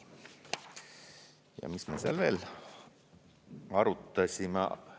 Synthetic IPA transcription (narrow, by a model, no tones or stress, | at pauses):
jɑ̰mismeːseɑlve̞ːl | ɑɾut̪ːˑɑsʲimḛ